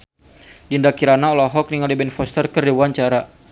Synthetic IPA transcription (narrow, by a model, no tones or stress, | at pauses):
dindakiɾanaɔlɔɦɔk̚niŋalibɛnfɔst̪ərkərdiwaɲt͡ʃaɾa